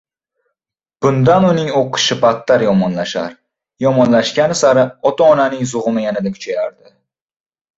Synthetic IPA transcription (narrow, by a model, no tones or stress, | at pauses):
b̥ʊnd̪anʊnɪŋoqʰɨ̥ʃɪpʰat̪ːaɾjɒmɒnlaʃa̰ɾ | jɒmɒnlaʃkʲanɪsaɾɪɒt̪ʰɒːnanɪŋzʊʁɨmɪjanad̪akʰʊ̥t͡ʃʰajaɾd̪̥ɪ